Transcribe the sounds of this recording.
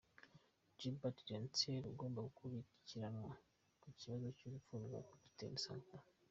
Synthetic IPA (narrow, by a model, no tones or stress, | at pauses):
d͡ʒibatiɾenteɾuɡo̞ːmbaɡukuβiciɾanŋwa | kuciβazocuβifuɾɡwa̰kuɟi̥tḛnisa̰ŋka